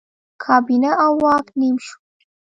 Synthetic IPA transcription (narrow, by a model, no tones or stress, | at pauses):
kʰaːbinɐʔawɑːknimʃ